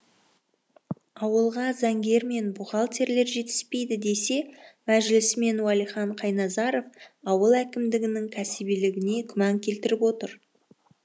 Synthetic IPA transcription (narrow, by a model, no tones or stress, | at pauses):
ɑwəlˠʁɑzæŋɡʲe̞ɾme̞nbʊʁɑlˠt̪ʰe̞ɾle̞ɾʒe̞t̪ɪ̥spe̞jd̪ɪd̪e̞se̞mæʒlɪsme̞nwælˠijχɑɴqʰɑjnɑzɑɾo̞fɑwəlˠækʲɪmd̪ɪɡʲɪnɪŋkʲʰæsɪbilɪɡʲɪne̞kʲʰʏmɑŋkʲʰe̞lt̪ɪɾɪpwo̞t̪əɾ